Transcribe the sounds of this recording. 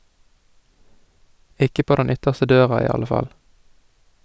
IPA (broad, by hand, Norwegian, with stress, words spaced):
ˈʔɪkə ˈpoː ˈdɛn ˈʏtəʁstə ˈdøːʁɑ ˈiː ˈɑlə ˈfɑl